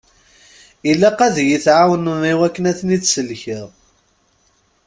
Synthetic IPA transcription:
ilːæqæðjiθʕawənnːiwækːənæθnit͡sːsəlçəð

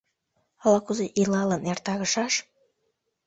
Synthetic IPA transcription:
ɑlɑkuzeʔilɑlənert̪ɑɣəʃɑʃ

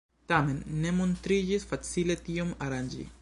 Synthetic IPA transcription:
t̪amenːemunt̪ɾid͡ʒisfat͡silet̪iomaɾand͡ʒḭ

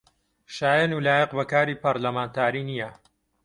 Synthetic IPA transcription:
ʃaːjɐnuːlaːjəqbɐkaːɾiːpɐɾlɐmaːnt̪ʰaːɾiːnijɐ

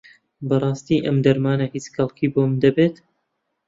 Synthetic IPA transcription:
bɐrˤɑːst̪iʔɐmd̪ɐɾmaːnɐhit͡ʃxɐlˠkʰiboːmd̪ɐbet̪

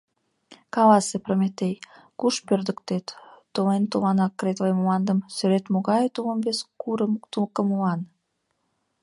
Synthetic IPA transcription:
kɑlɑsepromʲet̪ejkuʃpørd̪əkt̪et̪ːolent̪olɑnɑkːret̪ləjmuɑnd̪əmsøɾet̪moɣɑjt̪uləmveskuɾət̪ulkəmulɑn

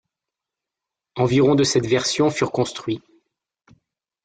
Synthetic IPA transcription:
ɑ̃viʁɔ̃d̪əsɛt̪vɛʁsjɔ̃fyʁkɔ̃st̪χɥi

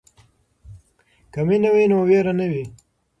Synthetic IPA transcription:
kaminawinoːweɾanəwi

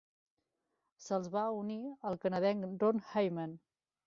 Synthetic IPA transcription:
səlˠzβauniəlˠkənəðɛŋdonhajmən

